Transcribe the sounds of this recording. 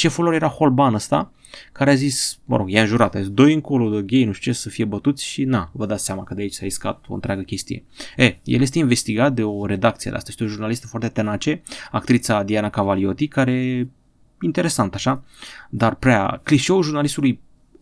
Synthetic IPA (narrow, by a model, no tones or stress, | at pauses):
ʃefəloɾjeɾaho̞lbanəst̪a̰ | kaɾeazismə̰ɾo̞ɡjaɨnʒuɾat̪aid̪o̞jɨŋko̞lod̪əɡʲejnuʃt͡ʃesəfijebət̪ut̪sʲʃinavəd̪at̪seamakəd̪eait͡ʃʲsaɾiska̰t̪̚oɨnt̪ɾʲeaɡəkʲe̞st̪ḭje̞̰ejḛljes̬t̪einve̞st̪iɡat̪̚d̪e̞o̞ɾe̞d̪akt̪sied̪ḛa̰st̪jest̪eoʒurnalist̪ə̥foart̪e̞t̪enat͡ʃe̞akt̪ɾit̪sad̪ianakavalio̞t̪ikaɾe | int̪e̞ɾe̞sant̪aʃa | d̪arpɾea̰kliʃeulʒurnalist̪uluj